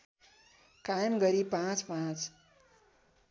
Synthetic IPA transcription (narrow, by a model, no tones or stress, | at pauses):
kajmɡʌɾipãt͡spãt͡s